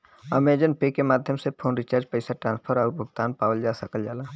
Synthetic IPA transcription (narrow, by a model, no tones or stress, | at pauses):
ɐmed͡ʒənpekemaːd̪ʱjəmsepʰoːnɾɪt͡ʃaːɾd͡ʒpɛɪsaʈɾãːnspʰəɾɔːɾbʱʊɡt̪aːnpaːwəld͡ʒaːsəkəld͡ʒaːlaː